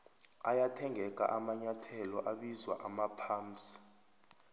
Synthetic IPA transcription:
ajatʰɛŋʱɛk̬ʼa̰ʔamaɲatʰɛlɔʔaɓizwa̰ʔamapʰaːmsi̥

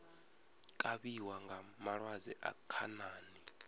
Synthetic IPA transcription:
kʼaɓiwaŋɡamaɺwazɛʔa̰kʰa̰naːni

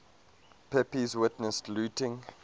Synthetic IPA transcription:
pʰɛpizwɪtnəstlutɪ̃ŋ

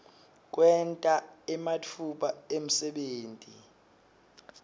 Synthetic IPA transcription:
k̬wɛntʼaɛmatʰuɓaem̩sɛɓeːntʼi

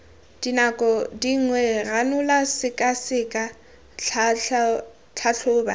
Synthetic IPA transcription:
d̥inakʼɔdiŋ̩ŋwɛranʊlasɪkʼasɪkʼa | t͡ɬʰaɬʰʊːba̰

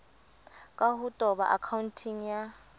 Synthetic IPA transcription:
kʼaɦutʼɔɓa̰ʔakʰauntʰiŋja

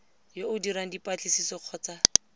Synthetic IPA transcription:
joʊdiɾaŋ̩dipʼat͡ɬɪsisɔq͡χʰɔːt͡sa

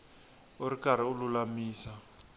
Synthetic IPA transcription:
oɾikaɾ̤iululamiːsa

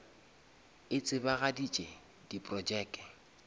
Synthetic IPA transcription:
ɪt͡sʼɪbaɣadit͡ʃʼe | dipʼrɔd͡ʒɛːkʼɛ

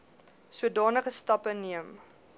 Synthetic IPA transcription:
suədɑːnəχəstɐpəniəm

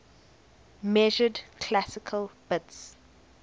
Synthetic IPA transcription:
mɛʒədkʰlasɪkʰəlb̥ɪts

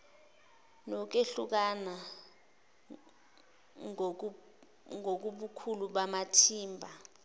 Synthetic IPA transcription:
nɔk̬eɬuk̬ana | ŋok̬uɓukʰuluɓamatʰiːmbʱa

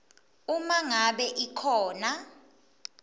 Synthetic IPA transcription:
umaŋaɓɛʔikʰɔːna

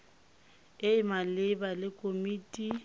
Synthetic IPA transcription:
ɪɪmalɪbalɪkʼomiːtʼi

